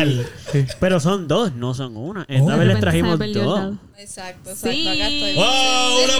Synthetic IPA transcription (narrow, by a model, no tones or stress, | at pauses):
lpe̞ɾo̞so̞nd̪osnosoŋunaʔest̪aβe̞ɦlest̪ɾaɦimozd̪os | ouna